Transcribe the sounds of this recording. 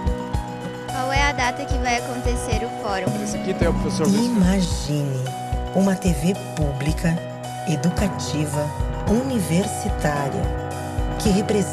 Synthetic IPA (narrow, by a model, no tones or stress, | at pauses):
kwawɛɐd̪at̪ɐkɪvajakõnt̪eseɾʊfɔɾũsɐkit̪ẽpɾofesoɾimaʒĩnɪ | ũmɐt̪evepublikʰɐ | ed̪ukat͡ʃivɐuniveɾsit̪aɾḭɐ̰ | kɪɦepɾez